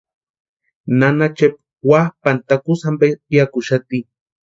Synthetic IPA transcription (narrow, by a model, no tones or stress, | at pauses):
nanat͡ʃep̚ | wahpant̪akusambepiakʊʃat̪i